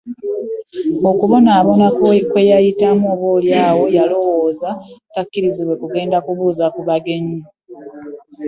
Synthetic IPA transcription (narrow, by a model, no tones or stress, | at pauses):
o̞kuβo̞naːβo̞nakkwe̞jajitamuoβoːljaːwo̞jalo̞woːzatakːiɾiziβwe̞kuɡe̞ːndakuβuːzakuβaɡe̞ɲi